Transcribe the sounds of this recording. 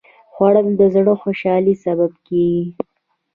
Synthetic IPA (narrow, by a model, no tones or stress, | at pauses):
xwɑɽəmd̪əzɽoxoʃɑlisababkeɡi